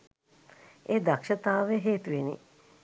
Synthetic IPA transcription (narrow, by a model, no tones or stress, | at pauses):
eːd̪akʃət̪aːʋeɦeːt̪uʋenḭ